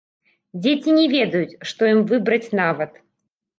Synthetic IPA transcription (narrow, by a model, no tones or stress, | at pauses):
d͡zʲet͡sʲinʲɛvʲɛd̪ɐjut͡sʲʂt̪ɔjimvɨbɾɐt͡sʲnavɐt̪